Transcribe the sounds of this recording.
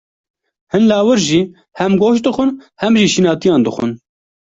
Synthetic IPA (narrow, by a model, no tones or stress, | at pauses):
hɨnlɑːwɨɾʒiː | hɛmɡoːʃd̪ɨxʷʊnhɛmʒiːʃinɑːt̪ijɑːnd̪ɨxʷʊ̰n